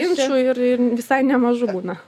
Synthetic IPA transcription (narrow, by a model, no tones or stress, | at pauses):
ɪnʃuːɪrɪrʋʲɪsɐɪnʲɛmɐʒʊbuːnɐ